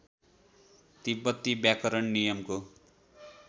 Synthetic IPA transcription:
t̪ibʌt̪ːibjakʌɾʌɳnijʌmko

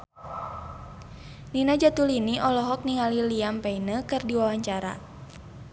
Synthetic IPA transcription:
ninad͡ʒat̪uliniʔɔlɔɦɔk̚niŋaliliampɛinəkɨrdiwawaɲt͡ʃaɾa̰

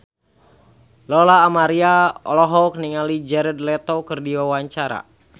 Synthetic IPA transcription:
lɔlaːmaɾiaɔlɔɦɔk̚niŋalid͡ʒɛɾɛd̪̚lɛt̪ɔkərdiwawaɲt͡ʃaɾa̰

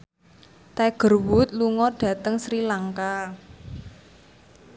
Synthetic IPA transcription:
t̪ɛɡ̥ə̤rwʊt̪̚luŋɔɖ̥ä̤t̪əŋsɾilaŋka

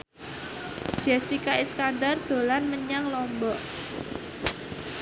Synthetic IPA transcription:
d͡ʒ̥ɛsikaiskandard̪̥o̤lanməɲaŋlɔmbɔʔ

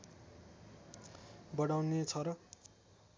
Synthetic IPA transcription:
bʌɽawnet͡sʰʌɾʌ

